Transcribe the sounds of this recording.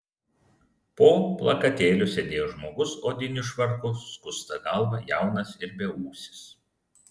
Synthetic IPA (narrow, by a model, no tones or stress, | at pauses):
poːplˠɐkɐt̪ʲeːlʲʊsʲɛd̪ʲeːjoːʒmoːɡʊsoːd̪ʲɪnʲʊʃʋɐɾkʊːkʊst̪ɐɡɐlˠʋɑjæˑʊnɐsɪɾbʲeuːsʲɪ̥s